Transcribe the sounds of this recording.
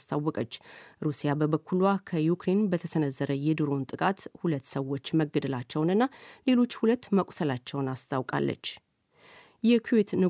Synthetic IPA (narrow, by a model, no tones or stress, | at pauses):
st̪ʰawːɔkʼət͡ʃːɾusijabəbəkʰːuluakʰəjukɾe̞nbət̪ʰəsənəzːəɾəjɛd̪ɨɾo̞nt̪ʼɨkʼat̪hulət̪ːsəwo̞t͡ʃːməɡəd̪əlat͡ʃːɛwnɨnːale̞lo̞t͡ʃːhulət̪ːməkʷʼsəlat͡ʃːɛwnast̪ʰawkʼa̰lːə̰t͡ʃː | jɛkʰuwet̪nɨ